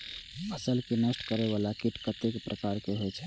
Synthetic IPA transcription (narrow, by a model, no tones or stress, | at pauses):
əsəlkinəsʈkəɾeʋalakiʈkət̪ekpɾʔəkaɾkeɦot͡ʃʰɛ